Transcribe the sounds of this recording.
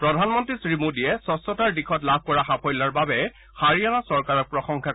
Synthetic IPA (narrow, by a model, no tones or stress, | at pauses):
pɹɔdʱanmɔntɹisɹimodijɛsɔsɔtaɹdixʰɔtlab̚ʱkɔɹaxapʰɔjlaɹbabɛ | xaɹianasɔɹkaɹɔk̚pɹɔxɔŋkʰa